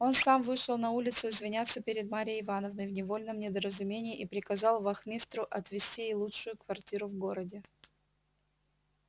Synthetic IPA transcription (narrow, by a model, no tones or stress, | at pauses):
o̞nsamvɨʂəlˠnɐulʲɪt̪sʊɪzvʲɪnʲat̪sːəpʲɪɾʲɪd̪maɾʲɪjəɪvanəvnəjvnʲɪvo̞lʲnəmnʲɪd̪əɾəzʊmʲenʲɪːʔipɾʲɪkɐzɑlˠvɐxmʲist̪ɾʊʔɐt̪vʲɪsʲtʲijejlˠutʂʊjʊkvɐrtʲiɾʊvɡo̞ɾədʲɪ